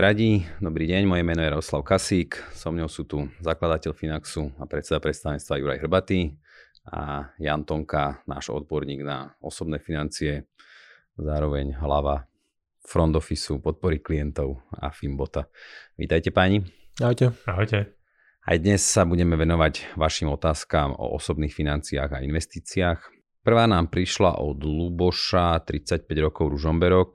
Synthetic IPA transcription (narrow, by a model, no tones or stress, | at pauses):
ɾaɟid̪ɔbɾiːɟɛɲmɔjɛmɛnɔjɛɾaɔslaʊkasiːksɔmɲɔʊsuːt̪uzaklad̪acɛʎfinaksuapɾɛt̪t͡sɛd̪apɾɛt̪st̪aʋɛɲɛt͡st̪ʋajuɾa̰jɦr̩bat̪i | a̰jant̪ɔŋkana̰ːʒɔ̰d̪̚bɔɾɲiːɡna̰ɔsɔbnɛːfinant͡siɛ | zaːɾɔʋɛɲɦlaʋa | fɾɔnd̪ɔfisupɔt̪̚pɔɾiklijɛnt̪ɔʊa̰fimbɔt̪aʋḭːt̪ajcɛpaːɲiaɦɔjcɛaɦɔjcɛ | a̰jd̪ɲɛsːabuɟɛmɛʋɛnɔʋaɟʋaʃiːmɔt̪aːskaːmɔ̰ʔɔ̰sɔbniːxfinant͡siaːɣainʋɛst̪iːt͡siaːx | pr̩ʋaːnaːmpɾiʃla̰ʔɔd̪lubɔʃat̪ɾit͡sac̚pɛɟɾɔkɔʊɾuʒɔmbɛɾɔk̚